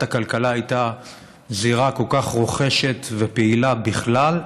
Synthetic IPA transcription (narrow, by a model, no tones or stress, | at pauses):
takalkalaːjt̪a | ziʁako̞lkaχʁo̞χe̞ʃe̞t̪vepeilabiχlal